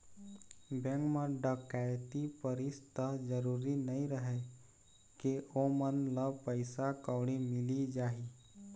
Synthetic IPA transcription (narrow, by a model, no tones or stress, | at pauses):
bẽŋkməɖəkajt̪ipəɾist̪əɦd͡ʒəɾuːɾinəĩɾəɦe | keomənləbpəɪsakəwɽ̃imɪlid͡ʒaːi